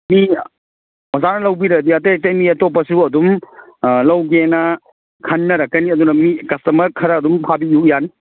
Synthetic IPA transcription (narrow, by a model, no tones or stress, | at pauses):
mi | ɔzanɐlɐwbiɾɐdiɐtɐjtejmiɐtopɐsuɐdum | lɐwɡenɐ | kʰɐnːɐɾɐkːɐniɐd̪unɐmikɐstɐmɐɾkʰɐɾɐɐdumpʰabijukjan